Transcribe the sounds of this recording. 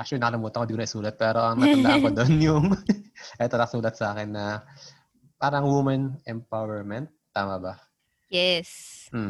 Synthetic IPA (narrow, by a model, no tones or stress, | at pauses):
ʔak̚t͡ʃʊlinɐkɐlɪmuːt̪ɐkoɪnd̪ikonɐʔɪsuːlɐt̪̚pɛːɾo̞ʔɐŋnɐɡɐnaɐkod̪onjʊŋʔɛt̪ɐlɐsuːlɐt̪̚sɐaːkɛnːɐ | paːɾɐŋwumɐnʔɛmpawɛɹmɛnt̪ːaːmɐbɐ | jɛs̩